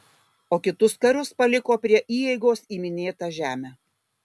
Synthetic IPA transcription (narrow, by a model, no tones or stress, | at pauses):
oːkʲɪt̪ʊskɐɾʊspɐlʲɪkoːpʲɾʲiɛʔiːjɛɪɡoːsiːmʲɪnʲeːt̪ɑʒʲæːmʲæː